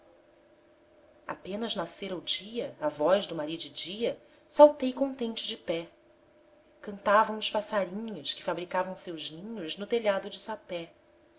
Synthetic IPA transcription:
a̰pẽnɐznaseɾawd͡ʒiɐavɔjʒd̪ʊmaɾid̪ɪd͡ʒiɐ | sawt̪ejkõt̪ẽnt͡ʃɪd͡ʒɪpɛ | kɐ̃nt̪avɐ̃w̃ʊʃpasaɾĩɲʊʃkɪ̥fabɾikavɐ̃w̃sewʒnĩɲʊʒnʊt̪eʎad̪ʊd͡ʒɪsapɛ

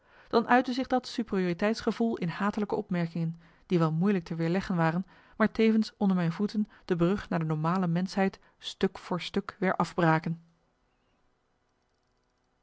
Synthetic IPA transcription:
d̥ɑnʔœɥtəzɪχdɑtsyprioːritɛjtsχəvulˠɪnɦaːtələkəɔpmɛɹkɪŋən | d̥iʋɛlˠmujlək̚təʋɪːɹlɛχənʋaːrən | maːɹtejvənsɔndəɹmɛjnvutən | d̥əbrɵχnaːɹdənɔɹmaːləmɛnsɦɛjt | stɵkfʊːɹstɵkʋɪːɹʔɑvbraːkən

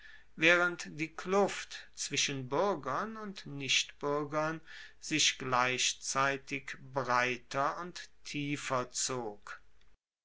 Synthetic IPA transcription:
vɛːʁəntd̥iːkʰlʊftt͡sv̥ɪʃənbʏɐɡɐnʊntnɪʃtb̥ʏɐɡɐnzɪʃɡ̥laɪʃt͡saɪtɪkbʁaɪtʰɐʊnttʰiːfɐt͡soːk

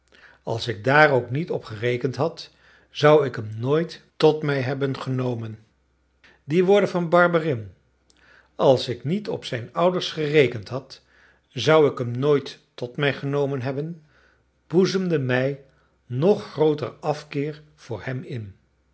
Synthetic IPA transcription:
ɑ̰lˠsɪk̚daːrowknitɔpχərejkəntɦɑt | z̥ʌwɪkɦəmnoːjt | tɔtmɛjɦɛbənχənowmən | diʋʊːɹdəvɑnbɑɹbərɪm | ɑlˠsɪknitɔ̰psɛjnʌwdəɹsχərejkəntɦɑt | zʌwɪkɦəmnoːjtː | ɔtmɛjχənowmənɦɛbən | b̥uzəmdəmɛj | nɔχːrowtə̰rɑfkɪːɹ | v̥ʊːɹhɛmɪn

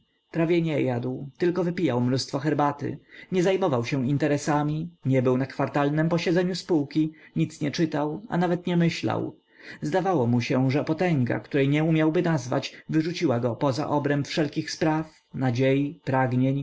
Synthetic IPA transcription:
pɾavʲjɛɲɛjad̪wt̪ɘlkɔvɘpʲijawmnust̪fɔxɛɾbat̪ɘ̰ɲɛzajmɔvawɕɛ̃int̪ɛɾɛsamʲiɲɛbɘwnakfaɾt̪alnɛmpɔɕɛd̪zɛɲuspuwkʲiɲit̪sɲɛt͡ʂɘt̪awa̰navɛt̪ɲɛmɘɕla̰w | zd̪avawɔmuɕɛʐɛpɔt̪ɛŋɡa̰kt̪uɾɛjɲɛumʲjawbɘnazva̰t͡ɕvɘʐut͡ɕiwaɡɔpɔza̰ʔɔbɾɛmpfʂɛlkʲixspɾaf | nad͡ʑejipɾaɡɲeɲ

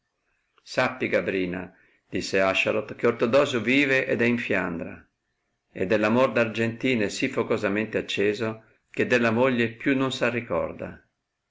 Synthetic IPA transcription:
sapːiɡabɾiːna̰ | d̪̥isːeaʃːaɾot̪keort̪od̪ɔːzoviːveʔɛd̪ɛiɱfja̰nd̪ɾa̰ | ḛd̪ːelːamord̪ard͡ʒent̪iːnesifːokozamɛnt̪eat͡ʃːeːzo | ked̪ːelːamoʎːepjunːonsarːikɔ̰rd̪a̰

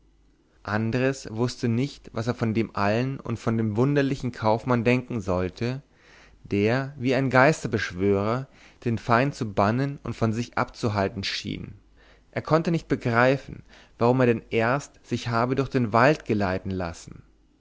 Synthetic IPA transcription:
ʔandəʁəsv̥ʊstənɪçtvaseːɐfɔndeːmʔa̰lənʊ̰ntfɔndeːmvʊndɐlɪçn̩kʰaʊfmandɛŋkŋ̩zɔltʰə | d̥eːɐviːaɪnɡaɪstɐbəʃv̥øːʁ̞ɐ | d̥eːnfaɪnt͡subanənʊ̰ntfɔnzɪçʔa̰pt͡suɦaltn̩ʃḭːn | ʔeːɐkʰɔntənɪçt̚b̥əɡʁaɪfn̩ | v̥aʁ̞ʊmeːɐdɛnʔeːɐstz̥ɪçhaːbədʊɐçd̥eːnvaltɡ̥əlaɪtn̩la̰sn̩

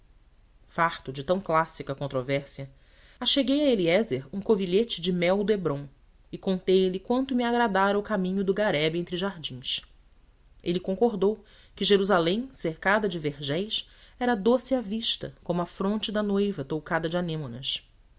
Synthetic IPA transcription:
faht̪ʊd͡ʒɪt̪ɐ̃w̃klasikɐkõnt̪ɾovɛɾsiɐ | aʃeɡejɐeliɛzeɾũkoviʎet͡ʃɪd͡ʒɪmɛwd̪ʊebɾõ | ɪkõnt̪ejlɪkwɐ̃nt̪ʊmiaɡɾad̪aɾɐʊkamĩɲʊd̪ʊɡaɾɛbẽnt̪ɾɪʒaɾd͡ʒĩs | elɪkõŋkoɾd̪ow | kɪʒeɾuzalẽj̃seɾkad̪ɐd͡ʒɪveɾʒɛjsɛɾɐd̪osɪaviʃt̪ɐ̰kõmʊɐfɾõnt͡ʃɪd̪ɐnojvɐt̪owkad̪ɐd͡ʒɪanẽmonɐs

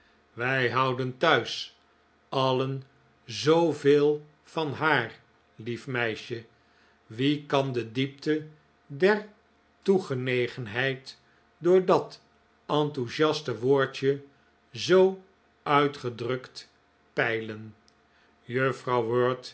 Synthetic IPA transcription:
ʋɛjɦɑwdəntœɥs | ɑlən | zowveːlˠ | fɑnɦaːr | lifmɛjʃə | ʋikɑndədip̚tə | dɛɹ | tuχənejχənɦɛjt | dʊːɹdɑt | ɑntuʃɑstəʋʊːɹt͡ʃə | zow | œɥtχədrɵkt | pɛjlən | jøfrɑwʋøːɹt

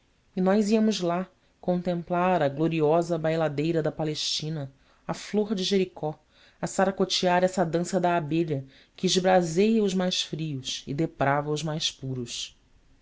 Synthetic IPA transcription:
ɪnɔjziɐmʊzla | kõnt̪ẽmplaɾɐɡloɾiɔzɐbajlad̪ejɾɐd̪ɐpaleʃt͡ʃĩnɐ | ɐfloɾd͡ʒɪʒeɾikɔ | ɐsaɾakot͡ʃiaɾɛsɐd̪ɐ̃sɐd̪aːbeʎɐ | kɪːʒbɾazejɐʊʒmajʃfɾiʊsɪ̰d̪epɾavɐʊzmajspuɾʊs

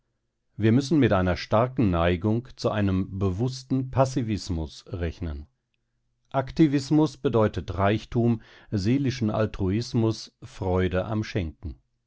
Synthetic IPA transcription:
viːɐmʏsn̩mɪtʔaɪnɐʃtaɐkn̩naɪɡʊŋkt͡suʔaɪnəmbəvʊstn̩pʰasivɪsmʊsʁɛçnən | ʔaktivɪsmʊsb̥ədɔʏtətʁaɪçtʰuːmzeːlɪʃn̩a̰ltʁ̥uɪsmʊsfʁ̥ɔʏdəʔa̰mʃɛŋkŋ̩

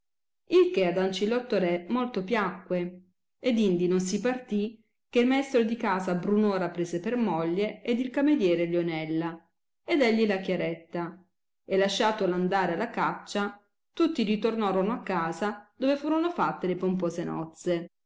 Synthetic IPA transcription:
ilkead̪ant͡ʃilɔt̪ːoɾɛmolt̪opjakːwe | ed̪ind̪inons̬ipart̪i | k̟eilmaest̪ɾod̪ikaːzabɾunoːɾapɾeːzepermɔʎːeed̪ilkamed̪jɛːɾeljonɛlːa | ed̪ɛʎːilakjaɾɛt̪ːa | elːaʃːaːt̪oland̪aːɾealːakat͡ʃːa | t̪ut̪ːiɾit̪ornaːɾonoakːaːzad̪̥oːvefuːɾonofat̪ːelepompoːzenɔ̰t̪se

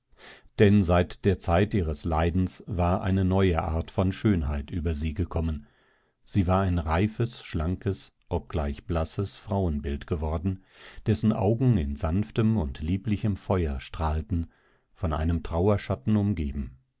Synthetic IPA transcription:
d̥ɛnzaɪtd̥eːɐt͡saɪtʔiːʁəslaɪdn̩svaːɐʔa̰ɪnənɔʏəʔa̰ːɐtfɔnʃøːnɦaɪtʔyːbɐziːɡəkʰɔmən | z̥iːvaːɐaɪnʁaɪfəsʃlaŋkʰəs | ʔɔp̚ɡ̥laɪçb̥lasəsfʁ̥aʊənbɪltɡ̥əvɔɐdn̩d̥ɛsn̩ʔa̰ʊɡŋ̩ɪnzanftəmʊntliːplɪçəmfɔʏɐʃtʁ̥aːltn̩ | fɔna̰ɪnəmtʁ̥aʊɐʃatn̩ʊmɡeːbm̩

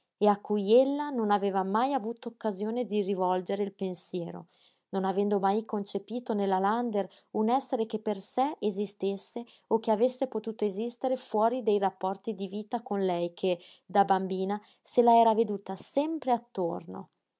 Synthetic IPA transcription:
eakːujelːanonaveːvamajavuːt̪ookːazjoːned̪irivɔld͡ʒeɾeilpensjɛːɾo̰ | nonavɛnd̪omajkont͡ʃepiːt̪onelːaland̪er | unɛsːeɾek̟epːersɛezist̪esːe | ok̟ːeavesːepot̪uːt̪oezist̪eɾefwɔːɾid̪ejrapːɔrt̪id̪iviːt̪akonlɛjkʰe | d̪abambiːna | selaɛːɾaved̪uːt̪asɛmpɾeat̪ːo̰rno̰

